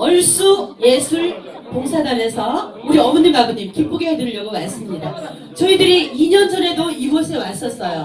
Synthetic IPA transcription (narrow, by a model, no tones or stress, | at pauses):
ʌɭs͈uje̞sʰuɭ | poŋsʰadame̞sʰʌuɾiʌmnːɯnɡaɡɯɲimkip͈oɡeɦedɯɭʎjʌɡomans͈ɯmɲida | t͡ɕʌidɯɾiiɲʌnd͡ʑʌne̞doiuʌsʰe̞mas͈ʌs͈ʌjo